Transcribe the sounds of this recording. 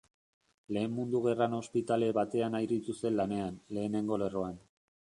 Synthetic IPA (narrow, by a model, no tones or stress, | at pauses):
le̞ːmmund̪uɣ̞e̞rano̞spit̪ale̞βat̪e̞anajɾit̪ust̪e̞nlane̞anle̞ːne̞ŋɡo̞le̞ro̞an